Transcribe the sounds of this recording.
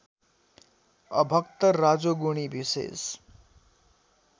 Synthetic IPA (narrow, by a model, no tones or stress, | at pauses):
ʌ̰bʱʌkt̪ʌrad͡zoɡuɽ̃ibisḛs